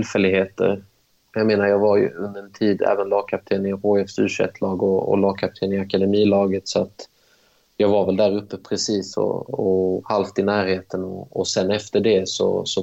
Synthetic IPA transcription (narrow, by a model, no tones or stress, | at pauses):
t̪ɪlfɛlːɪɡheːt̪ə̰ɾ | jɑɡmeːnaɾjɑːɡvaɾjɵ̰ɵnd̪əɾɛnt̪ʰiːd̪æ̰ːvənlɑːɡ̚kʰap̚t̪ʰeːnɪɾoːɛfsʉːʂɛ̰t̪ːʰlɑːɡɔɔ̰lɑːɡ̚kʰap̚t̪ʰeːnɪakad̪ɛmiːlɑːɡət̪sɔat̪ | jɑːɡvaɾvɛld̪æɾɵpːəpʰɾɛsiːsɔ̰ɔhalft̪ɪnæːɾheːt̪ənɔːsɛnːɛft̪əɖɛsɔ̰sɔ